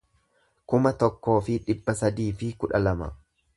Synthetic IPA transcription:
kʊmɐt̪ɔkːo̞ːfɪᶑɪbːɐsɐd̪iːfɪkʊᶑɐlɐmɐ

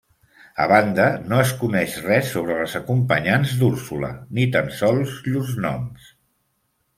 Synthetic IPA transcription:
ə̰βand̪ənoəskunɛʃrɛsoβ̞ɾəlzəkumpəɲanzd̪uɾsulə̰nit̪ansɔlˠzʎuznɔ̰ms

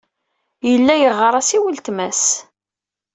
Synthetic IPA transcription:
jəlːæjəʁːəɾˤɑsiwəlt̪mæs

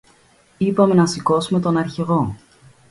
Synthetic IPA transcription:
ipɐme̞nɐsiko̞sume̞t̪o̞nɐɾçeɣo̞

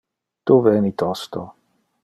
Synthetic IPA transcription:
t̪uvɛnit̪ɔst̪o

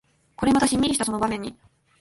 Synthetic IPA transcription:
ko̞ɾe̞mat̪aɕimʲiɾiɕit̪aso̞no̞bamẽ̞ɲ̟ːi

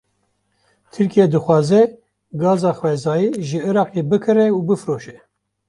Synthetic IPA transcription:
t̪ʰɨɾkijɛd̪ɨxwɑːzɛ | ɡɑːzɑːxwɛzɑːjiːʒɨɨɾɑːqebɨkʰɨrɛubɨfɾoːʃɛ

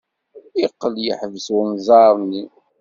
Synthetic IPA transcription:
iqːəljə̰ħvəswəmzˤɑɾˤnːi

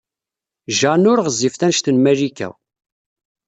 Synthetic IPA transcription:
ʒanʊɾʁəzːifθænʃt̪ənmæʒikæ̰w

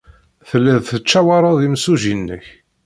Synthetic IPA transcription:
θəlːəðθət͡ʃːæwɑɾˤɑðimsuʒinːəç

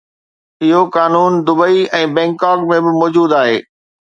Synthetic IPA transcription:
ɪɦokaːnuːnd̪ʊbəiɛ̃ːbɛ̃ːŋkaːkmẽbɪmɔːd͡ʑuːd̪aːɦḛː

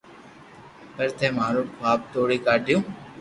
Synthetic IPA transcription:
pəɾt̪ʰeːmaːɾũːaːp̚t̪oːɽiːkaːɖɪjõː

